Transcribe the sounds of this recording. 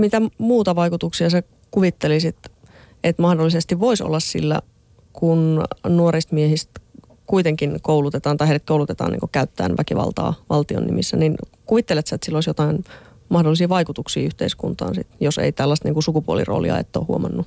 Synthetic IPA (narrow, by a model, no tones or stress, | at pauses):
mit̪æmuːt̪ɑʋɑikut̪uksiɑse | kuʋit̪ːelisit̪ | et̪mɑhdolːisest̪iʋʋoiso̰lːɑssḭlːæ̰ | kunnuoɾist̪miehist̪ | kuit̪eŋkinkoulut̪et̪ɑːnt̪ɑiheiɾet̪koulut̪et̪ɑ̰ːnḭŋkokæyt̪ːæːnʋækiʋɑ̰lt̪ɑ̰ːʋɑlt̪io̰nːḭmisːæninkuʋit̪ːelet̪sæet̪silːoˑisjot̪ɑin | mɑhdolːˑisiːʋɑikut̪uksḭːyht̪eiskunt̪ɑ̰ːnsḭt̪josḛit̪ælːæst̪niːŋkusukupuolḭro̰ːlḭɑ̰ḛt̪ːo̰ːhuomʔɑ̰nːu